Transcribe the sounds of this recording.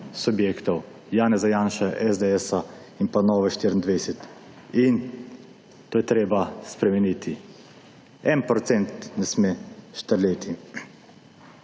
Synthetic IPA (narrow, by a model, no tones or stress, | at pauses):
subjeːkt̪ɔw | jaːnɛzajaːnʃaʔɛzd̪eɛsa | inpanɔːʋɛʃt̪iɾnd̪ʋɛjsɛt̪ | in | t̪oːjɛt̪ɾeːbaspɾɛmɛnit̪ʰi | ɛnpɾɔt̪sɛnt̪nɛsmeʃt̪əɾleːt̪i